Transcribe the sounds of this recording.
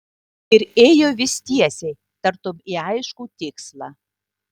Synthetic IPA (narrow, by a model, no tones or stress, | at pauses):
iɾejovʲist̪ʲiɛsʲej | t̪ərt̪omiɑjəʃkut̪ʲikslˠɑ